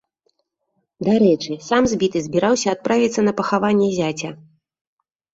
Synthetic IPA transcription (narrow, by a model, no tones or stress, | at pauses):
d̪aɾɛt͡ʂɨsamzʲbʲit̪ɨzʲbʲiɾawsʲɐːt̪̚pɾavʲit̪sːɐnɐpɐxavanʲːɛzʲat͡sʲɐ